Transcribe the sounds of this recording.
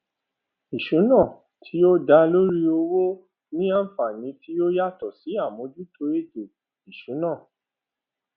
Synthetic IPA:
i˨ʃũ˨˦nã˦˨ | tʰi˨˦jo˦da˧lo˦ɾi˦o˧wo˦ | nĩ˦ã˦fa˨nĩ˨˧˦ti˦jo˦ja˦tɔ˨si˨˦a˦˨mõ˨˧˦d͡ʒu˦tʰo˧˦e˦˨d͡ʒe˨ | i˨ʃũ˨˦nã˦˨

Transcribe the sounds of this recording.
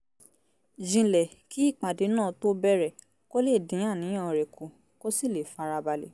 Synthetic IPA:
d͡ʒĩ˧lɛ˨ki˦i˦˨k͡pa˨de˨˦nãː˦˨to˦bɛ˦ɾɛ˨ | ko˦le˦˨dĩ˨˦ã˦˨nĩ˨˦ɔ̃˦˨ɾɛ˨ku˨ | ko˦si˦˨le˨fa˧ɾa˧ba˧lḛ˨

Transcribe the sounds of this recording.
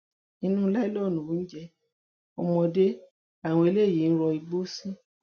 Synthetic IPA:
ĩ˧˦nũ˦lɛ˦lɔ˦˨nũ˨˦n̩˦d͡ʒɛ˧ | ɔ˧mɔ̃˧de˦ | a˦˨w̃ɔ̃˧e˧le˦˨ji˨˦n̩˦ɾɔ˧i˧ɡ͡bo˦sĩ˦

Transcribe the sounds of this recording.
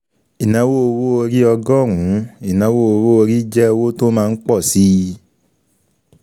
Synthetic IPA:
i˨nã˧˦wo˦o˧wo˦o˧ɾi˦ɔ˧ɡɔ˦˨ɾũ˨˦i˨nã˨˧˦wo˦o˧wo˦o˧ɾi˦d͡ʒɛ˦˧wo˦to˦mãː˧n̩˦k͡pɔ˦˨si˦˧

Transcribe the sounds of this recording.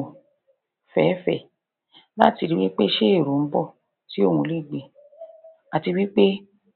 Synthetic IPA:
fɛ˨˦fɛ̰˦˨ | la˦ti˧ɾi˦wi˦k͡pe˦ʃe˦e˦˨ɾu˨m̩˦bɔ˦˨ | ti˦o˦˨wũ˧li˦˨ɡ͡be˧˨ | a˨ti˧wi˦k͡pe˦

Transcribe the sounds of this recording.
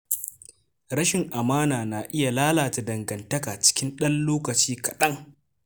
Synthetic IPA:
ɾɐ˦ʃɪ˨ŋʔa˨maː˦naː˨na˨ʔɪ˦ja˨laː˦laː˨ta˨dɐ˨ŋɡɐ˨ntɐ˦ka˨t͡ʃɪ̥˦kʲɪ˦nɗɐ˦nloː˦kɐ˨t͡ʃiː˦kɐ˨ɗɐ˦ŋ

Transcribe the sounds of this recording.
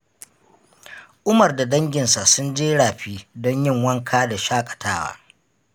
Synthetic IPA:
ʔʊ˦mɐ˨rda˨dɐ˦ŋɡʲɪ˨nsa˨sʊ˦nd͡ʒeː˦ɽaː˨ɸiː˦dɔ˦ɲjɪ˦˨ŋwɐ˦ŋkʰaː˦da˨ʃaː˦kʼḁ˨tʰaː˦wa̰ː˦

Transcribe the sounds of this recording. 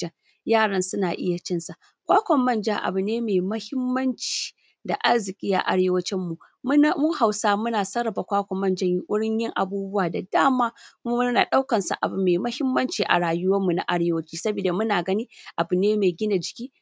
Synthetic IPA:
jaː˦˨ɽɐ˦nsʊ˦naː˨ʔɪ˦ja˨t͡ʃɪ˦nsa˨ | kʷaː˦kʷɔ˨mːɐ˦nd͡ʒa˦ʔa̰˨bʊ˨neː˦meː˨mɐ˦hɪ˦mːɐ˦nt͡ʃi̥ː˨ | da˨ʔa˦rzɪ˨kʲʼiː˦ʔa̰˨ʔa̰˨˦ɽeː˦wɐ˦t͡ʃɪ˦mːu˨ | m˦˨muː˦ha˨wsaː˦mʊ˦naː˨sɐ˦ɾɐ˨ba˨kʷaː˦kʷɔ˨mːɐ˦nd͡ʒɐ˦ʔʷʊ˦ɽɪ˦ɲjɪ˦ŋʔa̰˨buː˦bʊ˦waː˨da˨daː˦maː˦kʊ˦ʊ˦naː˨ɗa˦wkɐ˨nsa̰˨ʔa̰˨bu˨meː˨mɐ˦hɪ˦mːɐ˦nt͡ʃiː˨ʔa̰˨ɽaː˨jʊ˦wɐ˦mːu˨na˨ʔa˦ɽeː˦wɐ˦t͡ʃiː˦sɐ˦biː˨da˨mʊ˦naː˨ɡɐ˦niː˦ʔa˨bʊ˨neː˦meː˨ɡʲɪ˦na˨d͡ʒɪ˨kʲiː˦

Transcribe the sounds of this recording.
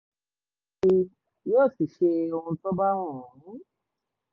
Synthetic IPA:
i˧ | joː˦˨si˨ʃe˧o˧ũ˧tɔ˦ba˦w̃ɔ̃˦˨˦

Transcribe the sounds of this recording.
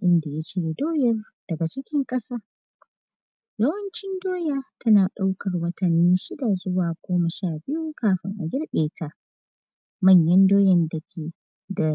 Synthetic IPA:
ʔɪ˦nda˨ja˦t͡ʃeː˦wdoː˦jɐ˦r | d̥ɐ˨ɡɐ˨t͡ʃɪ˦kʲɪ˦ŋkʼɐ˦saː˦ | jɐ˦wɐ˦nt͡ʃɪ˦ndoː˦jaː˦˨tʰɐ˦naː˨ɗa˦wkɐ˨rwɐ˦tʰɐ˨nːi˦nʃɪ˦da˨zʊ˦waː˨ɡʷoː˦mɐ˨ʃaː˦˨bɪ˦ju˦kaː˦ɸɐ˨nʔa˨ɡʲɪ˦ɽɓeː˨tʰa˦ʔ | mɐ˦˨ɲjɐ˦ndoː˦jɛ˨nda˨kʲʰeː˨ | da˨

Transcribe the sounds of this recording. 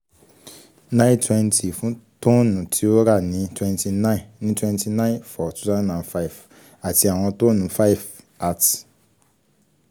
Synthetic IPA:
nã˦ĩ˦twɛ̃˧nti˨fũ˨˦to˦nũ˨tʰi˨˦o˦ɾa˦˨nĩ˨˦twɛ̃˦nti˧nã˦ĩ˨nĩ˦twɛ̃˦nti˧˨nã˦ĩ˦nfɔ˨tu˦zã˦dnã˨nfa˦i˨v | a˨ti˧a˨w̃ɔ̃˧to˦nũ˨˦fa˦i˦˨f | a˦˨t

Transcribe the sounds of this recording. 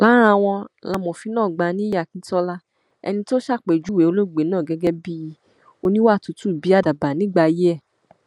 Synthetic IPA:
la˨˦ɾ̃ã˧˨w̃ɔ̃˧la˧mɔ̃˨fi˨˧˦nãː˦˨ɡ͡ba˧˦nĩ˦ja˦˨kĩ˨˧˦tɔ˧la˦ | ɛ̰˧nĩ˧to˦ʃa˦˨k͡pe˨d͡ʒu˨˦we˨˦o˧lo˦˨ɡ͡be˨˦nãː˦˨ɡɛ˧˦ɡɛ˦bi˦ji˦˧ | o˧nĩ˦wa˦˨tu˨˦tu˦˨bi˨˦a˦˨da˨ba˨nĩ˨˦ɡ͡ba˧ji˦ɛ˦˨

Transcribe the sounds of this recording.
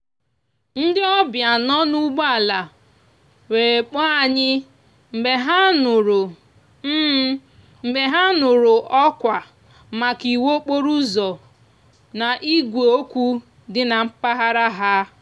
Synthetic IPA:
n̩˦dɪ˦ɔ˦bja˨nɔ˦nu˦ɡ͡ba˨la˨ | we˨k͡pɔ˦a˨ɲɪ˦ | m̩˨be˨ɦa˦nʊ˨ɾʊ˨ | m̩ː˦ | m̩˨be˨ɦa˦nʊ˨ɾʊ˨ʔɔ˦kʷa˨ | ma˨ki˨wo˦k͡po˦ɾu˦zɔ˨ | na˨ʔi˦ɡʷe˨o˦kʷu˦ | dɪ˦na˨m̩˦pa˦ɦa˦ɾa˦ɦa˦

